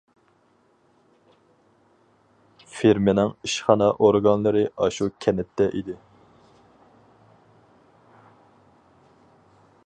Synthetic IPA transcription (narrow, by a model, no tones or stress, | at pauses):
feɾmɪnɪŋiʃχɑnɑʔoɾɡɑnlˠɨɾɨɑʃukʲʰɛnɛt̪ʰːɛʔid̪ɪ